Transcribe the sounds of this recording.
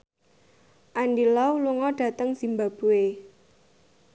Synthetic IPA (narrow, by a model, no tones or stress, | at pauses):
ʔandilɔuluŋɔɖ̥ä̤t̪əŋsimbab̥ṳe